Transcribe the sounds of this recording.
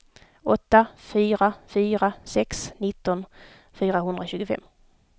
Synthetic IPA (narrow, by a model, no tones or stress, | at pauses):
ɔt̪ːafyːɾafyːɾasɛksnɪt̪ːɔn | fyːɾaɦɵnd̪ɾaɕʉːɡʊfɛ̰mː